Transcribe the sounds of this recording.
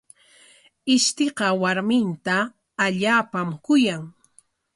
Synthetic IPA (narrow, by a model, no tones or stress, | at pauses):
ɪʃt̪eqɑwaɾmɪnt̪aː | ʎaːpamkʊjaŋ